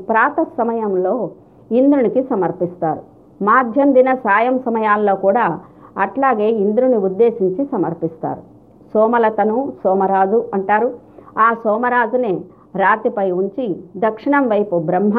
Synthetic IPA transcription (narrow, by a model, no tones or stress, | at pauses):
pɾaːt̪ɐsɐmɐjɐmlo̞ː | ind̪ɾunikisɐmɐɾpist̪aːɾu | maːd̪ʱjɐnd̪inɐsaːjɐmsɐmɐjaːlːo̞ːkuːɽaːɐʈlaːɡe̞ːind̪uɾuniud̪ːe̞ːsiɲt͡ʃisɐmɐɾpist̪a̰ːɾu | sɔːmɐlɐt̪ɐnusɔːmɐɾaːd͡ʒuɐɳʈaːɾu | aːsɔːmɐɾaːd͡ʒune | ɾaːt̪ipɐjuɲt͡ʃid̪ɐkʂiɳɐmʋɐjpubɾɐmɦa